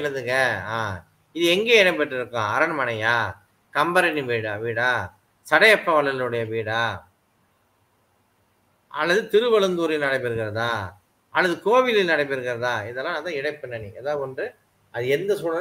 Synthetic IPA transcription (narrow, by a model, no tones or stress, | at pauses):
lɐðɯŋɡɐaː | ɪðɯɛŋɡeːɛɽɐpɐʈːɪɾɯkːãːɐɾɐɳmɐnɐjaː | kɐmbɐɾɐniʋiːɽaʋiːɽaː | sɐɽɐjɐpːɐʋɐlːɐllɯɽɐjɐʋiːɽaː | ɐ̰lːɐðɯt̪ɪɾɯʋɐɭɯnd̪uːɾɪlnɐɽɐɪp̬ːɪɾɯkːɪɾɐðãː | ɐlːɐðɯkoːʋɪlɪlnɐɽɐɪp̬ːɪɾɯkːɪɾɐðãːɪðɛlːãːnːt̪ãːɪɽɐɪpːɐɳːɐnḭɛðaːɯɔndrɯ | ɐðɯɛnd̪ɐsuːɽɐ